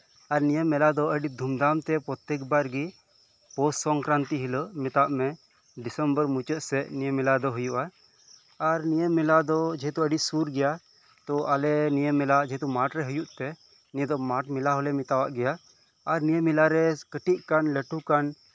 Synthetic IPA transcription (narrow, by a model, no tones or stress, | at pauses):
aɾnijəmːɛlad̪ɔʔəɖid̪ʱumd̪amt̪ɛpɔt̪ːɛk̚baɾɡi | pɔssɔŋkɾant̪iɦiləʔmit̪aʔmɛ | ɖisəmbəɾmut͡ʃəʔ̪sɛnijəmilad̪ɔɦujuʔaː | ɾnijəmɛlad̪ɔd͡ʒɛɦɛt̪uəɖisuɾɡɛja | t̪ɔalɛnijəmɛlaʔd͡ʒɛɦt̪umaʈɾɛɦujuʔt̪ɛ | nied̪ɔmaʈmilaɦɔlɛmit̪awaʔɡɛjaː | ɾnijəmilaɾɛkəʈiʔ̚kanləʈukan